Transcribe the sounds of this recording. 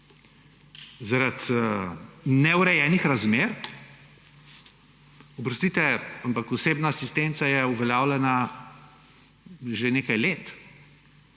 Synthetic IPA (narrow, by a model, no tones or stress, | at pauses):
zaɾat̪ | nɛwɾɛjɛːnixɾazmeːɾ | ɔbɾɔst̪iːt̪ɛampakɔseːbnaːsist̪ent̪sajɛuʋɛljaːwlɛna | ʒeneːkajleːt̪